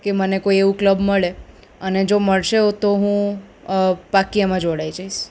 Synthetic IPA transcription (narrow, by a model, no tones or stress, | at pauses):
kemənekoieʋũkləbməɭe | əned͡ʒoməɭʃeot̪oɦũ | bakijamãd͡ʒoɽaid͡ʒaiʃ